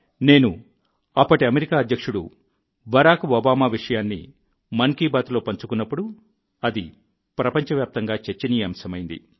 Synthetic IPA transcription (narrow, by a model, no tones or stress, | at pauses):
ne̞ːnu | ɐpːɐʈiɐmeɾikaːɐd̪jɐkʂuɽṵ | bɐɾaːkɐːbaːmaːʋiʂɐjaːnːḭ | mɐŋkiːbaːt̪lo̞ːpɐɲt͡ʃukunːɐpːuɽu | ɐd̪ḭ | pɾɐpɐɲt͡ʃɐʋjaːp̚t̪ɐŋɡaːt͡ʃeɾt͡ʃːɐnijɐmsɐmɐjind̪ḭ